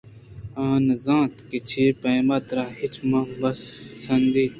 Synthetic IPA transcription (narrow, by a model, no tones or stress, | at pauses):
ãːnzãːt̪kit͡ʃʰipɐ̃mɐt̪ɾahit͡ʃʰmãbɐsːɐnd̪iː